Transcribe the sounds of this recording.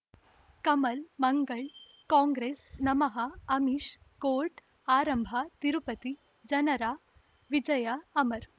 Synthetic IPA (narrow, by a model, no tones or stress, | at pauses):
kɐməlmɐŋɡəɭ | kɔ̃ŋɡɾesnɐmɐɦaːmiɕ | koɾʈ | aɾəmbʱat̪iɾupət̪i | d͡ʑɐnɐɾa | ʋid͡ʑɐjaːməɾ